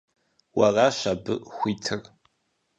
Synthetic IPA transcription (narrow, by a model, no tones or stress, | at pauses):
wɐraʃabɨxʷiːtʰɨr